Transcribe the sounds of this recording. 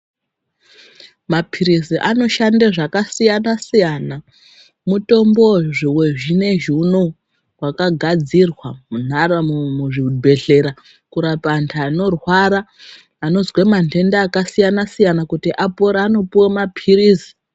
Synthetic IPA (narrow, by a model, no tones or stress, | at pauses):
mapʰiriziʔano̞ʃandeʐakasijanasijana | muto̞mbo̞ʐiwe̞ʐine̞ʒuno | wakaɡʱad͡zirwamun̤aɾamuʐibʱe̞ɮe̞ɾa | kuɾapantʰaːno̞rwaɾaː | no̞zwemande̞ndaːkasijanasijanakutiʔapoɾaano̞piwamapʰiriːzi̥